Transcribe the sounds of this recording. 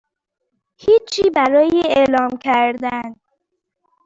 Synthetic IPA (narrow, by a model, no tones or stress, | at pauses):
hiːt͡ʃʰːiːbæɾɒːjeelɒːmcʰæɾd̪æn